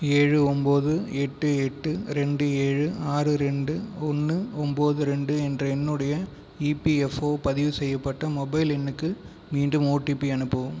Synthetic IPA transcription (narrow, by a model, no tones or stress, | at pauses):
eːɻɯɔmboːðɯɛʈːɯɛʈːɯɾɛɳɖɯeːɻɯaːɾɯɾɛɳɖɯɔnːɯɔmboːðɯɾɛɳɖɯɛndrɐɛnːɯɽɐjɐ | ipiɛfoːpɐðɪʋɯsɛjːɐpːɐʈːɐmɔbɐɪlɛnːɯkːɯ | miːɳɖɯmoːʈːipːiɐnɯpːɐʋɯm